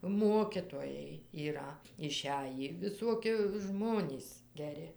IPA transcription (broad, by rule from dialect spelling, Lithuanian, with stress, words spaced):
ˈmoːkʲɪtoːjɛɪ iːˈrɐ ɪˈʃʲæjiː ʋʲɪˈsuɔkʲɪ ˈʒmoːnʲiːs ɡʲɛˈrʲɪ